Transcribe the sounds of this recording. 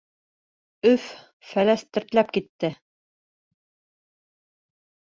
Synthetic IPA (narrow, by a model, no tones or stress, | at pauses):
ɵf | fælæst̪ɵ̆ɾt̪læp̚kit̪ːɘ